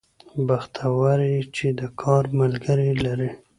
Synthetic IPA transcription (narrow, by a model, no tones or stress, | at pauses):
baxt̪ʰawaɾit͡ʃed̪əkʰɑɾmalɡəɾilaɾi